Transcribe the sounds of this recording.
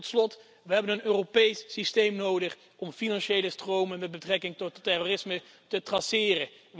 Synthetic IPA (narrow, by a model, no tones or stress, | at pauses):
tslɔt | ʋəɦɛbənənøːropejsːistejmnowdəχ | ʔɔmfinɑnʃejləstrowmənmɛtd̚bətrɛkɪŋtɔtːɛroːrɪsmə | tətrɑsɪːrə